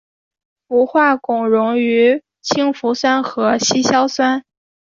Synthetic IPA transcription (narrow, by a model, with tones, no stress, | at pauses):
pu˧˥xwa˥˩kʊ˨˩ŋɻʊ˧˥ŋy˧˥ | t͡ɕʰi˥ŋfu˧˥swa˥nxɤ˧˥ɕi˥ɕjɑ˥ʊswa˥n